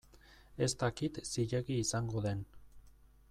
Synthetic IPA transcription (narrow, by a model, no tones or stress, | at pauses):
e̞st̪akit̪siʎeɣiːsaŋɡo̞ðe̞n